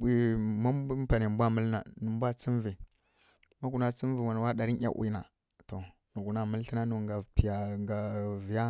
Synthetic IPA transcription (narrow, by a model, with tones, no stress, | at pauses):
i˨ma˦m˦pa˨ne˨m˨bʷa˦mə˦lna̰˨nu˨m˦bʷa˦t͡si˦nvi˨ | ma˦ku˨na˨t͡si˦m˦vi˨wa˨n˨wa˦da˨ɾi˦nʲ˦a̰˦ʔḭ˦˨na̰˨ | to˨ | nu˨ku˨na˨mə˦lɬi˦na˦nu˨ŋɡa˨pi˨ja˨ɡa˨vi˨ja˦